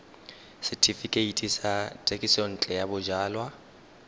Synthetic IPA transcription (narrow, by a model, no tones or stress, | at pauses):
sɪtʰifikʼeitʼisatʼekʼisɔn̩t͡ɬʼɛjabʊd͡ʒaːlwa